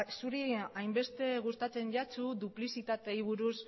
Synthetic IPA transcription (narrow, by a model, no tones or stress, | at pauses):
suɾiajmbe̞st̪e̞ɣ̞ust̪at͡se̞nʝat͡sud̪uplisit̪at̪e̞iβ̞uɾus